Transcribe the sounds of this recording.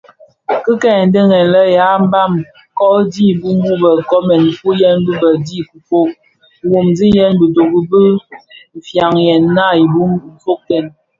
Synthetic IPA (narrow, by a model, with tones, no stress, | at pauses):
kə˦kɛ˨n̩˨˦də˦ŋɛ˨nlə˦ja˨˦m̩˦ba˦˨m | kɔ˦di˦˨bu˦m˦bu˦bə˨kɔ˦mɛ˨n̩˨fu˦jɛ˦n˦bɨ˦bə˨di˦ku˨fo˦ʔ̚ | wo˨mzi˦jɛ˦nbə˨to˨ɡu˦bə˦m̩˨fja˨ŋjɛ˨nːa˦˨i˨bu˦m̩˨fo˦k̚tɛ˨n